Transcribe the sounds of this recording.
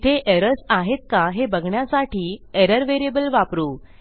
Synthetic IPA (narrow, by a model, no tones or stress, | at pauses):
t̪ʰeʔeɾəɾsaɦet̪̚kaɦebəɡʱɳjasaʈʰiːeɾəɾʋeɾiebəlʋapɾuː